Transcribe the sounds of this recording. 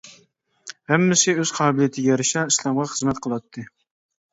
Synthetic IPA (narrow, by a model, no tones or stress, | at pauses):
hæmːɪsɪøz̥qʰɑːbɪlˠijet̪ʰɪɡʲɛjɛɾɪʃɛislˠɑmʁɑχəzmɛt̪qʰəlˠɑt̪ʰːɨ